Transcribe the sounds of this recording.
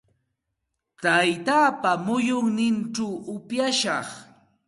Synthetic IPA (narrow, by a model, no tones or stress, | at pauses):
t̪ajt̪aːpamʊjʊŋnɪnʈ͡ʂawʊpjaʃɑχ